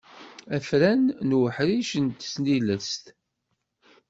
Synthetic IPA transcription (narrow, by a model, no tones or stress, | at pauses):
æfɾænnwəħɾiʃənt̪sniləst̪